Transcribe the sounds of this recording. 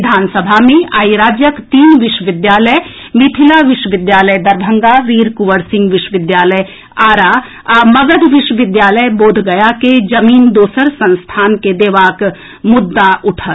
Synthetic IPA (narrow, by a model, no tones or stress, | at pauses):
d̪ʱaːnsəbʱamẽa̰ːiɾaːd͡ʒjəkt̪iːnʋɪʃwəʋɪd̪jaːləj | mɪt̪ʰɪlaʋɪʃəʋɪd̪jaːləjd̪ɐɾbʱə̃ŋɡaʋiːɾkʊʋəɽsɪ̃ŋɡʋɪʃwəʋɪd̪jaːləj | aːɾaː | mɐɡəd̪ʱʋɪʃwəʋɪd̪jaːləjboːd̪ʱɡɐjaked͡ʒɐmiːnd̪oːsəɾsə̃nst̪ʰaːnked̪eːʋaːk | mʊd̪ːaʔʊʈʰə